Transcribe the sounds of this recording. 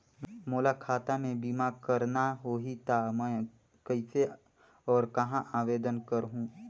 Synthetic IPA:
moːlakʰaːt̪amẽbiːmakɐɾnaɦoːɦit̪ʰamɛ̃ː | kɐise | ɔːɾkɐɦãʔaːʋeːd̪ənkɐɾɦũː

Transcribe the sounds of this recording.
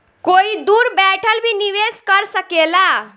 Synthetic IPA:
koid̪uːɾbɛʈʰəlbʱiniʋeskəɾsəkela

